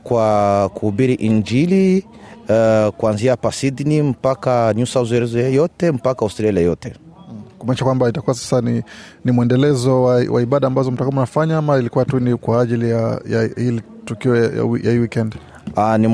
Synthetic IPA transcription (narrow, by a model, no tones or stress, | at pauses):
kwakuːɓiɾiʔiɲd͡ʒili | kuanziapasidnim̩pakaɲusauzuɛɾɛzɔjɛjɔtɛm̩pakaustɾialɛjɔtɛ | kumaniʃakwambaitakuwasḁsaninimuɛndɛlɛzɔwawʔa̰iɓaɗaːmbazɔm̩takumunafaɲaamailikuwatunikwaːʄilijaja̰hilitukiɔjaja̰wijʔa̰hiliwikɛnd | ani